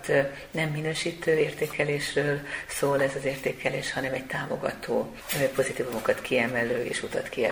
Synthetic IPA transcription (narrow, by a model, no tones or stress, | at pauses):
t̪ | nɛmːinøːʃiːt̪øːeːrt̪eːkɛleːʃrøːlsoːlɛzɒzeːrt̪eːkʰɛleːʃhɒnɛmɛɟ̚t̪aːmo̞̰ɡɒ̰t̪ʰoː | po̞zit̪iːvumokɒt̪kʰiɛmɛløːʔḛːʃut̪ɒ̰t̪kiɛ̰